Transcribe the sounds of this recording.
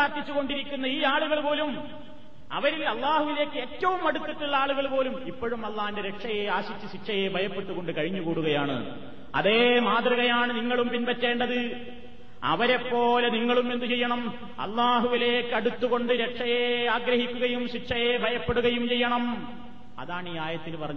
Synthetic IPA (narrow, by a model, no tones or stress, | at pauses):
aːrt̪ːit͡ɕːuɣoɳɖiɾikʲːun̪ːɐiːaːɭuɣɐɭpo̞ːlum | ɐ̰ʋɐɾilɐlˠːaːhuʋile̞ːkːɨe̞ːtːɐʋumɐɽut̪ːiʈːiɭːɐaːɭuɣɐɭpo̞ːlumipːo̞ɻumɐlˠːaːndeɾe̞ʈʂɐjeaːɕit͡ɕːɨɕiʈʂɐjebʱɐjɐpːe̞ʈːuɣo̞ɳɖɨkɐɻiɲːuɣuːɽuɣɐjaːɳɨ̰ | ɐ̰ðe̞ːmaːt̪riɣɐjaːɳɨniŋːɐɭumpinpɐtːe̞ːɳɖɐðɨ | ɐ̰ʋɐɾe̞pːo̞ːleniŋːɐɭume̞nd̪ut͡ɕejːɐɳɐm | ɐ̰lːaːɦuʋile̞ːkːɨɐɽut̪ːuɣoɳɖɨɾeʈʂɐjeːaːɡɾɐhikʲːuɣɐjumɕiʈʂɐjeːbʱɐjɐpːeɽuɣɐjumt͡ɕe̞jːɐɳɐm | ɐ̰ðaːɳiːaːjɐt̪ːilpɐrɐɲːu